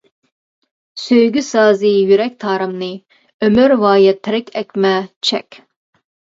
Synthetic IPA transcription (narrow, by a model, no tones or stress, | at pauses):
søjɡʲysɑːzɨjyɾɛk̚ʲt̪ʰɑːɾɨmnɨ | ømyɾvɑːjɛt̪ʰːɪɾɪkʲʰɛkʲmɛt͡ʃʰɛ̰kʲ